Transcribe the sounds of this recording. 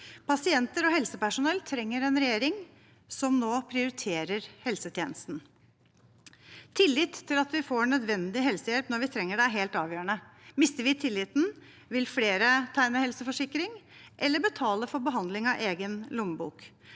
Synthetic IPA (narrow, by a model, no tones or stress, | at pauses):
pʰɑsɪɛnt̪əɾɔɦɛlsəpæʂʊnɛlːt̪ʰɾɛŋːəɾɛnɾɛjeːɾɪŋ | sɔmnoːpʰɾɪʊɾɪt̪ʰeːɾəɾhɛlsət̪ʰjeːnəst̪n̩ | t̪ʰɪlːɪt̪ʰːɪlɑt̪ʋɪfoːɳœd̪ʋɛnd̪ɪɦɛlsəjɛlpnɔɾʋɪt̪ʰɾɛŋːəɖæɦeːlt̪ɑːʋjøːɾəɳəmɪst̪əɾʋɪt̪ʰɪlːɪt̪n̩ | ʋɪlfleːɾət̪ʰæɪnəhɛlsəfɔʂɪkːɾɪŋʔɛlːəbət̪ʰɑːləfɔɾbəɦɑnd̪lɪŋɑʔeːɡənlʊmbṵːk